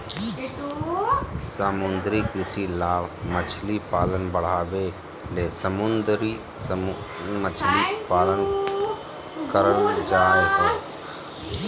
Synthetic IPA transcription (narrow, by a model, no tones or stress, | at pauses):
səmʊnd̪ɾikɾɪsilaːɣmət͡ʃʰlipaːlənbəɽ̤aːʋeː | leːsəmʊnd̪ɾi | mət͡ʃʰlipaːlən | kəɾənd͡ʒaːeɦɛː